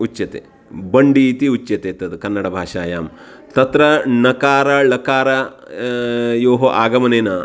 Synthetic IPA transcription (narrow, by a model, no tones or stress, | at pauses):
ut͡ʃːjɐt̪ḛ | bɐɳɖiːt̪iut͡ʃːjɐt̪eːt̪ɐt̪ɨkɐnːɐɽɐbʱaːʂaːjaːm | t̪ɐt̪ɾɐnɐkaːɾɐlɐkaːɾɐ | joːɦoʔaːɡɐmɐneːna